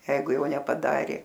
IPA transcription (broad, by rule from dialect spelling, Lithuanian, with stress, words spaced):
ˈjɛɪɡʊ ˈjɛʊ nʲɛpɐˈdɑːrʲeː